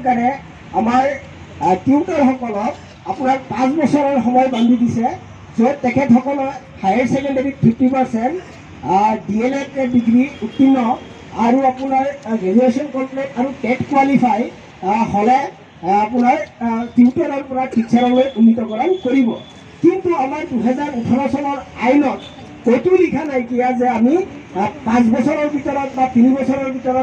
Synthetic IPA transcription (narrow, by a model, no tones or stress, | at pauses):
kaɹɛ | amaɹ | tiutɔɹɦɔkɔlɔt̚ | apʊnaɹpãsbɔsɔɹɔɹxɔmɔjband̪ʱudisɛ | zɔtɛkʰɛtɦɔkɔlɔ | hajaɹsɛkɔndɛɹitʰitipaɹsɛnt | dielɛtbiɡɹiutːinːɔ | aɹuapunaɹɡeniɹesiɔnkɔmplɛtaɹukɛʈkuwalipʰaj | holɛ | apʊnaɹtitaɾaɹpɔnakʰiksʰaɾɔlojʔunitɔkɔɹankoɹibɔ | kintuamaɹduɦɛzaɹutʰɔlɔsɔlɔɹajnɔt̚ | kotulikʰanajkijazɛamipãsbɔsʰɔɹɔɹbʱitɔɹɔt̚batinibɔsʰɔɹɔɹbʱitɔɹɔ